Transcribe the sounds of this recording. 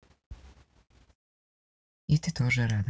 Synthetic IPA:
it̪it̪oʒɛɾaːd̪

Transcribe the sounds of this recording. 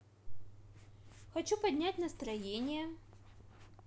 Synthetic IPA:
xɐt͡ɕupɐdʲnʲætʲnɐst̪ɾɐjenʲɪjə

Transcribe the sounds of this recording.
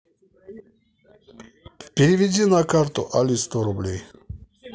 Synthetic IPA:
pʲiɾivʲidʲinakʰaɾt̪ṵʔalʲist̪ɔɾublʲɛj

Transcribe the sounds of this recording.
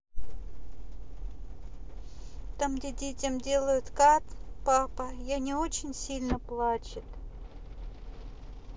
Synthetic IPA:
t̪amɡdʲedʲetʲɪmdʲe̞lˠəjʊt̪kat̪papəjanʲɪot͡ɕɪnʲsʲilʲnəplˠat͡ɕɪt̪

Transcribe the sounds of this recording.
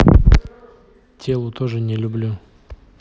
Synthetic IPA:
tʲelˠʊt̪oʐɨnʲɪlʲʊblʲu

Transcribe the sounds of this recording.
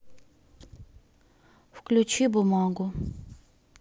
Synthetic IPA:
fklʲʊt͡ɕibʊmaɡʊ

